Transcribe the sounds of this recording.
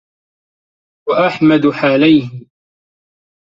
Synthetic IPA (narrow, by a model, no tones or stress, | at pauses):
waʔaħmad̪ħaːlajh